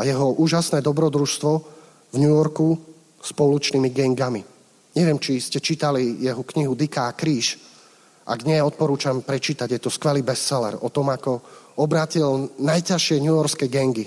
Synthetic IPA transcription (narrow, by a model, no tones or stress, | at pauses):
ajɛɦɔʔuːʒasnɛːd̪ɔbɾɔd̪ɾuʃst̪ʋɔ | vɲujɔɾku | spɔlut͡ʃniːmiɡɛŋɡami | ɲɛʋɪɛmt͡ʃiscɛt͡ʃiːt̪alijɛɦɔkɲiɦud̪ikakɾiːʃ | ʔa̰ɡ̪ɲɛɔt̪̚pɔɾuːt͡ʃampɾɛt͡ʃiːt̪aɟjɛt̪ɔskʋɛliːbɛssɛlɛ̰ɾɔt̪ɔmakɔɔbɾaːcilnajcaʃɪɛɲujɔɾskɛɡɛŋɡi